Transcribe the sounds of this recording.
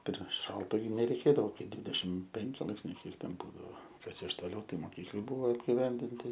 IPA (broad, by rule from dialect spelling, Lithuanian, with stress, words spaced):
pʲɛr ˈʃɐlˠtɐ nʲɛrʲɛɪˈkʲeːdɐʋoː ˈkɐɪ ˈdʲʋʲiːdʲɛʃʲɪmt ˈpʲɛŋʲkʲɪ ˈlˠɐɪpʲsʲnʲɛɪ ˈkʲiɛk ˈtʲɛn ˈbuːdɐoː ˈkɐs ɪʃ toːˈlʲɛʊ ˈtɐɪ moːˈkʲiːklˠɨ ˈbʊʋoː ɐbʲɡʲɪˈʋʲɛnʲdʲɪnʲtʲɪ